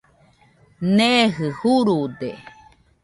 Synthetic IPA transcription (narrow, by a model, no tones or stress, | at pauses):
neɦɨhuɾud̪e